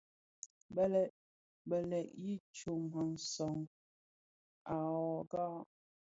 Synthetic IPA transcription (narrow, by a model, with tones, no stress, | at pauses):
bə˦lɛ˨ʔ | bə˨lɛ˨ʔji˦t͡ʃo˨mə˨n̩˨sɔ˨ŋ | a˨ɔ˨ɡa˦